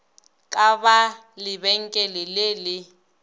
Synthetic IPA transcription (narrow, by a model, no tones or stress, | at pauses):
kʼaβa | lɪbɛŋ̩kʼɛlɪlelɪ